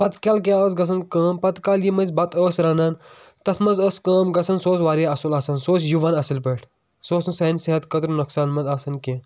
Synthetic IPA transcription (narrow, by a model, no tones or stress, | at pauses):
pɐt̪kʲaːlkeaəs̬ɡɐs̬ʰɐnkɐːmpɐt̪kaːljimɐzbɐt̪əːsɾɐnɐːn | t̪ɐt̪ʰmɐzəskɐːmɡɐsɐnsoːsʋaːɾjaɐsulaːsɐnsoːt͡sʰjuʋaːnɐsɐlpeʈʰ | soːsnsɐnsiɦɐt̪kɐt̪ɾnuksaːnmɐt̪aːsɐnkʲẽːn